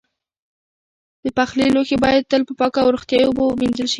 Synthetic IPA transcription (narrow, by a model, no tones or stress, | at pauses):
d̪̥əpaxliloxebɑjad̪̚t̪əlpəpɑkawɾoxt̪jɑjoobominzəlʃi